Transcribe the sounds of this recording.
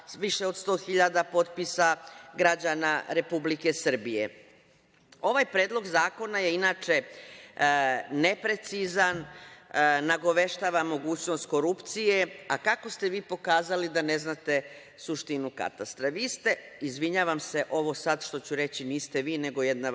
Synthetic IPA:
ʋiʃeo̞d̪st̪o̞ːxiʎad̪apo̞t̪̚pisaɡɾad͡ʑanaɾe̞publikesr̩bijḛ | o̞ʋajpɾeːd̪lˠo̞ɡzaːko̞naje̞inaːt͡ʃe̞ | ne̞pɾe̞t̪sizanː | aɡo̞ʋe̞ʃt̪aːʋamo̞ɡuːt͡ɕno̞st̪ko̞ɾupt̪sije̞akako̞st̪e̞ʋiːpo̞kaːzalid̪ane̞znat̪e̞ | suʃt̪inuka̰t̪ast̪ɾaʋiːst̪e̞izʋiɲaːʋamse̞ʔo̞ʋo̞sad̪ʃt̪o̞t͡ɕuɾe̞t͡ɕiniːst̪e̞ʋiːne̞ɡo̞jed̪na

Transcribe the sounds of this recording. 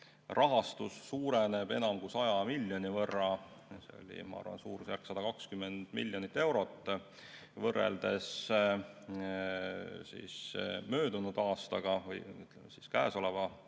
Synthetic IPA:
rʔɑɦɑst̪usːuːɾeneb̥e̞̰nɑmkusɑjɑmilʲːjo̞nivɤrːɑ | sḛo̰lʲḭmɑ̰ɑ̰rvɑ̰nsuːɾsjærksɑd̪ɑkɑkskymːend̪̥milʲːjonit̪ːe̞wɾo̞t̪ːˑ | vɤrːḛld̪̥e̞s | sḭːsmø̞ːd̪unud̪̥ɑːst̪ɑɡ̥ɑvɤjy̰t̪ˑlemesiskæːso̞levɑ

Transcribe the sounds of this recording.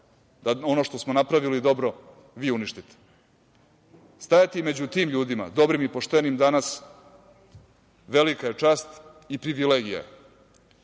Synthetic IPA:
d̪ao̞no̞ʃt̪o̞smonapɾaʋilid̪o̞bɾo̞ | ʋiuniʃt̪it̪e̥ | st̪ajat̪ime̞d͡ʑut̪iːmʎuːd̪ima̰d̪o̞bɾimipo̞ʂt̪e̞nimd̪anas | ʋe̞likaje̞t͡ʂaːst̪ | ipɾiʋileːɡija̰

